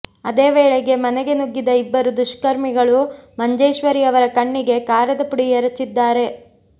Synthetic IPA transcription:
ɐd̪e̞ːʋeːɭeɡe̞mɐnɛɡe̞nuɡːid̪ɐibːɐɾud̪uʃkɐɾmiɡɐɭumɐɲd͡ʒɐjʃʋɐɾiɐʋɐɾɐkɐɳːiɡe̞kaːɾɐd̪ɐpuɽiɛɾɐt͡ʃːid̪ːaːɾe̞

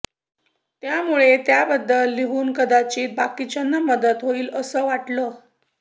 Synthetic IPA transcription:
t̪jamuɭet̪jabəd̪ːəlːiɦuːnkəd̪at͡ɕiːt̪̚bakit͡ɕənːəməd̪ət̪ɦoiːləsəːʋaʈlə

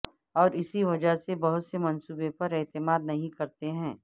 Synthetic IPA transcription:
ɔːɾɪsiʋɐd͡ʒəɦsebɐɦʊt̪semɐ̃nsuːbepɐɾɛːt̪ɪmaːd̪nɐɦĩkɐɾt̪eɦɛ̃ː

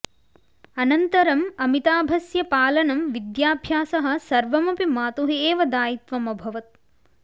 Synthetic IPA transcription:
ɐnɐnt̪ɐɾɐmɐmit̪aːbʱɐsjɐpaːlɐnɐmʋid̪jaːbʱjaːsɐɦɐ̆sɐɾʋɐmɐpimaːt̪uɦieːʋɐd̪aːjit̪ʋɐmɐbʱɐʋɐt̪̚

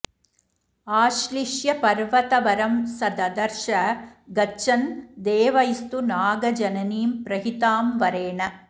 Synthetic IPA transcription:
aːʃliʂjɐpɐɾʋɐt̪ɐʋɐɾɐmsɐd̪ɐd̪ɐɾʂɐɡɐt͡ʃːɐnd̪eːʋɐjist̪unaːɡɐd͡ʒɐnɐniːmpɾɐɦit̪aːmʋɐɾeːɳɐ

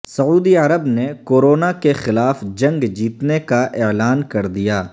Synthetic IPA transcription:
sɐuːd̪iɐɾəbnekoːɾoːnakexɪlaːfd͡ʒɐ̃ŋɡd͡ʒiːt̪nekaʔeːlaːnkɐɾd̪ijaː

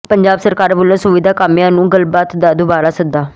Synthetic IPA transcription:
pəɲd͡ʒaːbsəɾkaːɾboːlãːsʊʋid̪aːkaːmijãːnũːɡəlbaːt̪d̪aːd̪ubaːɾaːsəd̪aː

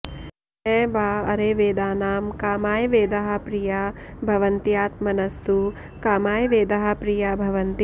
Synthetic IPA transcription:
ɛːbaːɐɾeːʋeːd̪aːnaːmkaːmaːjʋeːd̪ɐɦɐ̆pɾijabʱɐʋɐnt̪ijaːt̪mɐnɐst̪u | kaːmaːjʋeːd̪ɐɦɐpɾijabʱɐʋɐnt̪i

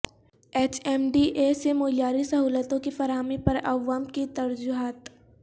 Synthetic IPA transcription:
eːt͡ʃɛːmɖiʔesemoːljaːɾisɐɦuːlət̪õkifɐɾaːɦəmipɐɾɐʋaːmkit̪ɐɾd͡ʒʊɦaːt̪

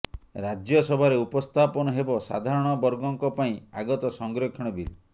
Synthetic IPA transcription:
ɾad͡ʒjɔsɔbʱaɾeupɔst̪ʰapɔnɔɦebɔsa̰d̪ʱaɾɔɽ̃ɔbɔɾɡɔŋkɔpaĩaɡɔt̪ɔsɔŋɡɾokʰiɽ̃ɔbil

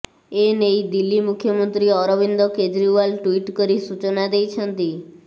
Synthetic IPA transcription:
enejd̪ilːimukʰːjɔmɔnt̪ɾiɔɾɔbind̪ɔked͡ʒɾiʋalʈwiʈkɔɾisut͡ʃonad̪ejt͡ʃʰənt̪i

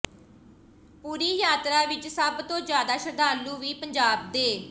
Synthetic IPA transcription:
puːɾiːjaːt̪ɾaːʋɪt͡ʃsəbt̪õːd͡ʒjaːd̪aːʃəd̪aːlũːʋiːpəɲd͡ʒaːb̚d̪eː

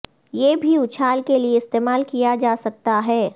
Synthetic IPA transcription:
jeːbʱiʊt͡ʃʰaːlkelieɪst̪eːmaːlkijad͡ʒaːsɐk̚t̪aɦɛː

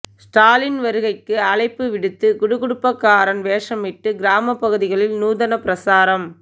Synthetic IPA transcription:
sʈaːlɪnʋɐɾɯɣɐɪkːɯɐɭɐɪpːɯʋɪɽɯt̪ːɯɡʊɽʊɣʊɽʊpːɐkːaːɾɐnʋeːʂɐmɪʈːɯɡɪɾaːmɐpːɐɣɯðɪɣɐɭɪlnuːðɐnɐpɪɾɐsaːɾɐm

